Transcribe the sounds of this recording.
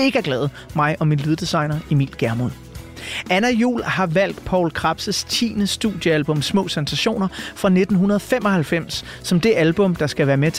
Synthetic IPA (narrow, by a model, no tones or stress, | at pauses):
e̝ɡ̥əæɐɡ̥lɛːð̩ˠ | mɑ̈ɪʔɒ̽minlið̞ˠd̥isɑ̈ɪnɐimḭːl̥ɡ̥æɐmonˠ | ʔænæjṵːlhɑ̈ʋæl̰d̥pʰɒ̰ʊlkʰʁɑ̈b̥səst͡sʰḭːnəsd̥uð̥ˠjəælb̥ɔ̽msmɔ̰̽ːsænsæɕo̝̰ːnɐfʁɑ̈ne̝d̥n̩ɦunɐð̞ˠɒfem̰ɒ̽hælfem̰sː | ɒ̽md̥e̝ʔælb̥ɔ̽md̥ɑ̈sɡ̥æʋæːɐmet͡sʰ